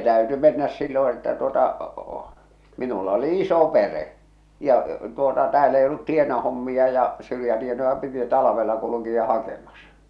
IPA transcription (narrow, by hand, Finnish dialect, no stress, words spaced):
tæyty menːæs silːõː etːæ tuotɑ minulɑ oli iso pereʔ jɑ tuotɑ tæːl ei olːut tienɑhomːiɑ jɑ syrjætienojɑ piti tɑlɑ̆ʋelːɑ kulukiɑ hɑkemɑsɑ̥